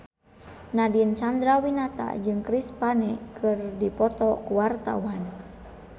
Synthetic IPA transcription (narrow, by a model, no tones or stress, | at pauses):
nadiənt͡ʃand̪ɾawinat̪a̰d͡ʒɨŋkɾispanɛkʰɨrdipɔt̪ɔkuwart̪a̰wan